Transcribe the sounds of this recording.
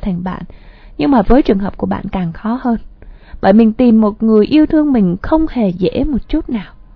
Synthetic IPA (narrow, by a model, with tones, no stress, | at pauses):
t̪ʰa˨˩ŋɓa̰ː˧˨n | ɲɨ˧ŋmaː˨˩vəː˨˦jt͡ɕɨ˨˩ənɦəː˨˩p̚ku˧˩əɓa̰ː˧˨nkaː˨˩ŋxɔ˨˦həː˧n | ɓə̰ː˧˨jmï˨˩ŋ̟t̪i˨˩mːo˨˩t̚ŋɨ˨˩əjʔi˧əwt̪ʰɨ˧əŋmï˨˩ŋ̟xə˧wŋ͡mhe˨˩zḛ˧˥mo˨˩t̚t͡ɕu˦˥t̚naː˨˩w